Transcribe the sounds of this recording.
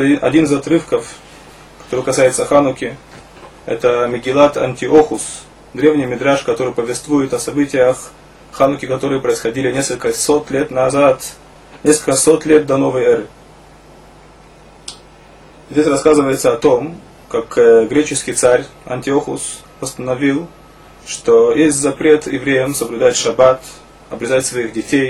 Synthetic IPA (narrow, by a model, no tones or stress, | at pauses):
ɐ̰dʲinɨzɐt̪ɾɨfkəf | kɐ̥t̪oɾɨkɐsajɪt̪səxanʊkʲɪ | ɛ̰t̪əmʲɪɡʲɪlˠat̪ɐ̰nʲtʲɪoxʊs | d̪ɾʲe̞vnʲɪjmʲɪd̪ɾaʂkɐt̪o̞ɾɨjpəvʲɪst̪vujɪt̪ɐsɐbɨtʲɪjəx | xanʊkʲɪkɐt̪o̞ɾɨjəpɾəɪsxɐdʲilʲɪnʲeskəlʲkəsot̪lʲet̪nɐzat̪ | nʲeskəlkəso̞t̪lʲet̪̚d̪ɐno̞vəjɛɾɨ | zʲdʲesʲrɐskazɨvəjɪt̪səɐt̪o̞m | kakɡɾʲet͡ɕɪskʲɪjt̪saɾʲɐ̰nʲtʲɪoxʊ̰s | pəst̪ənɐvʲilˠ | ʂt̪ojesʲtʲzɐpɾʲe̞t̪jɪ̰vɾʲejəmsəblʲʊd̪aɪt̪ʲʂɐbat̪ | ɐbɾʲɪzatʲsvɐixdʲɪtʲej